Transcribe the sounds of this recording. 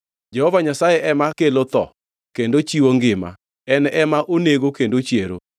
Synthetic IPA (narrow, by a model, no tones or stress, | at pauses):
d͡ʒɛhɔvaɲasajɛʔɛmakelot̪ɔ̰ | kendot͡ʃiwoŋɡɪma̰ | ɛnɛʔɛmaʔoneɡokendot͡ʃjeɾo̰